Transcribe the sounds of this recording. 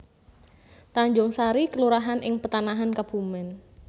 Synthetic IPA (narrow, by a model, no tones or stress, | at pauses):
t̪aɲd͡ʒʊŋsaɾikəluɾaɦanʔɪŋpət̪anaɦankab̥umɛn